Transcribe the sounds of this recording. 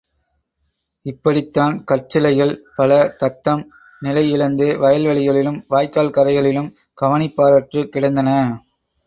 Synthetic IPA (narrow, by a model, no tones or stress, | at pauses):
ɪpːɐɽɪt̪ːaːnkɐʈ̚t͡ʃːɪlɐɪjɣɐɭpɐlɐt̪ɐt̪ːɐm | nɪlɐɪɪɭɐnd̪ɯʋɐjɐlʋɐɭɪɣɐɭɪlɯmʋaːjkaːlkɐɾɐɪɣɐɭɪlɯm | ɡ̥ɐʋɐnɪpːaːɾaːʈrɯkɪɽɐnd̪ɐnɐ